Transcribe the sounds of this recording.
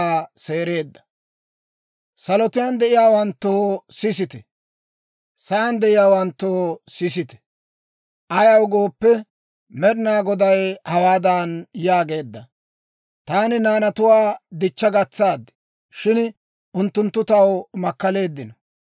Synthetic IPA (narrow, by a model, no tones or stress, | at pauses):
se̞ːɾe̞ːd̪ːɐ̥ | sɐlɔt̪ɪjand̪ɛʔɪjaːwɐnt̪ːosɪsɪt̪ɛ̥ | sɐːnd̪ɛʔɪjaːwɐnt̪ːoːsɪsɪt̪ɛ̥ | ʔɐjɐwɡo̞ːpːɛ | mɛɾɪnaːɡɔd̪ɐjhɐwaːd̪aːnjaːɡe̞ːd̪ːɐ | t̪aːnɪnaːnɐt̪ʊwaːd̪ɪt͡ʃːɐɡɐt͡sːaːd̪ːɪ̥ | ʃɪn | ʊnt̪ːʊnt̪ːʊt̪ɐwmɐkːɐle̞ːd̪ːɪnɔ